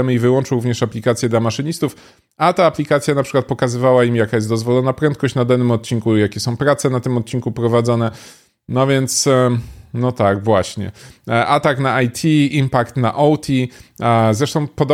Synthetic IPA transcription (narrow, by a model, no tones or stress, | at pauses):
ɛmɘivɘwɔnt͡ʂɔɾuvɲɛʂaplʲikat̪sʲjɛd̪lamaʂɘɲist̪uf | at̪aːplʲikat̪sʲjanapʂɘ̥kwat̪̚pɔkazɘvawaimjakajɛs̬t̪d̪ɔzvɔlɔnapɾɛnt̪̚kɔɕt͡ɕnad̪anːɘmɔt̪̚t͡ɕinkujakʲɛsɔ̃w̃pɾat̪sɛnat̪ɘmɔt̪̚t͡ɕinkupɾɔvad̪zɔnɛ | nɔvʲjɛnt̪s | nɔt̪aɡvwaɕɲɛ̰ʔat̪aknaajt̪ʲʰiimpakt̪na̰ʔɔwt̪ʲʰi | zɾɛʂt̪ɔ̃w̃pɔd̪ɔ